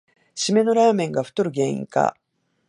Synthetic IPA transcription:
ɕime̞no̞ɾaːmẽ̞ŋɡaɸɯ̟̥t̪oɾɯ̟ɡẽ̞ːɰ̃ḭ̃ŋka̰

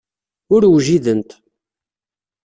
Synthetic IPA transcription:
ʊɾwʒiðənt̪

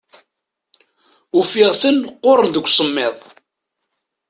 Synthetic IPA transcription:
ufɪʁθənqːoɾˤənðəɡʷːsˤəmːɪðˤ

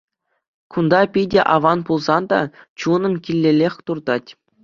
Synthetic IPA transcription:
kund̪ɑpʲidʲeʔɑʋɑnpulˠzɑnd̪ɑ̰t͡ɕunɤ̆mkʲilʲːelʲexʲt̪urd̪ɑtʲ

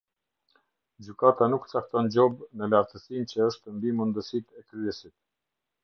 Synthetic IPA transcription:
d͡ʑykat̪anukt͡sak̚t̪ɔnd͡ʑɔbnəlaɾt̪əsint͡ɕəəʃt̪əmbimund̪əsit̪ɛkɾyɛsit̪̚

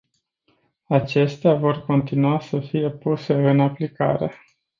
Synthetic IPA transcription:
at͡ʃe̞st̪eavo̞rko̞nt̪inuasəfije̞puse̞ɨnaplika̰ɾe̞̰

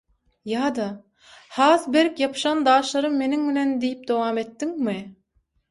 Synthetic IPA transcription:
jɑːd̪ɑ | hɑːsbeɾkjɑpʃɑnd̪ɑːʃlˠɑɾɯmːe̞niŋminend̪ijip̚d̪owɑːme̞t̪ːiŋmɪ

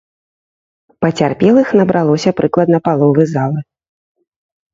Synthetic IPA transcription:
pɐt͡sʲarpʲɛlˠixnɐbɾʔalˠɔsʲɐpɾɨklˠɐd̪nɐpalˠɔvɨzalˠɨ

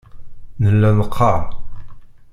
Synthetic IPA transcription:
nəlːænəqʰːɑʕ

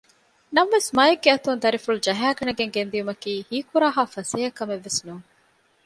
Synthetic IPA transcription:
nɐmʋesmɐːjeɡ̚ːeɐt̪und̪ɐɾifuɭud͡ʒɐɦæːɡɐɳɐɡeŋɡend̪ijumɐkiːhiːkuɾaːɦaːfɐseːɐkːɐmeʋːesnuːŋ

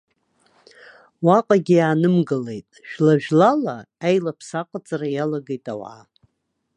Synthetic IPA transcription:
waqʼaɡʲijaːnɨmɡɨle̞jtʼʃᶣlaʒᶣlalaajlapʰsaqʼat͡sʼarajalaɡejtʼawa̰

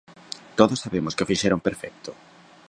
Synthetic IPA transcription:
t̪oðosːaβemʊskɪofiʃeɾompeɾfɛk̚t̪ʊ̥

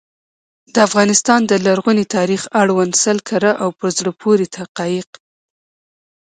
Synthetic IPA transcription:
d̪əafɣɑnɪst̪ɑnd̪əlaɾɣunet̪ɑɾixaɽwansalkʰaɾaʔawpəɾzɽəpʰoɾet̪ʰaqɑjɪq

